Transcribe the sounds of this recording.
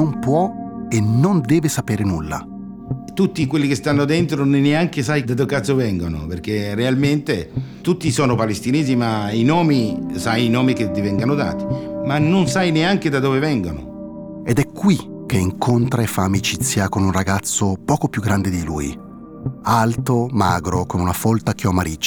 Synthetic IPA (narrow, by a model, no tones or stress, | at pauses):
nompwɔenond̪ɛːvesapeːɾenulːa̰ | t̪ut̪ːikwelːikest̪anːod̪ent̪ɾoneneaŋkesajd̪ad̪okat̪sovɛŋɡono̰perk̟erːealment̪et̪ut̪ːisɔːnopalest̪ineːzimainɔːmisajinɔːmik̟et̪ːivɛŋɡanod̪a̰ːt̪i̥manːonsajneaŋk̟ed̪ad̪oːvevɛŋɡono̰ | ɛd̪ɛkːwik̟eiŋkont̪ɾaefːaːmit͡ʃit̪sːjakonunraɡat̪sːopɔːkopjuɡːɾand̪ed̪ilṵːj | alt̪omaːɡɾokonunafɔlt̪ak̟iɔmːaɾit͡ʃː